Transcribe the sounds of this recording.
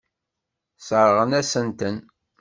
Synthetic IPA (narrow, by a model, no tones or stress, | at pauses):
səɾˤəʁənæsənt̪ən